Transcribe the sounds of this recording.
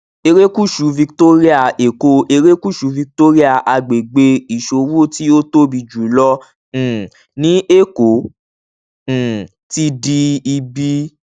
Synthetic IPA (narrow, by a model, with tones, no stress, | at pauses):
e˧ɾe˦ku˦˨ʃu˨˦vi˧kto˦ɾi˦a˦˨e˨ko˧ʔe˧ɾe˦ku˦˨ʃu˨˦vi˧k̚to˦ɾi˦a˦˨ʔa˧ɡ͡be˨ɡ͡be˧i˨ʃo˧wu˦ti˦o˦to˦bi˧d͡ʒu˨˦lɔ̃˦˨ | nĩ˦ʔe˦˨ko˨˦˨ | ti˦di˧i˧bi˧